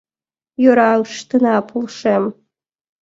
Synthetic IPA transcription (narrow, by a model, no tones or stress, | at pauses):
jøɾɑɯʃt̪ɤ̆nɑpʰulˠʃem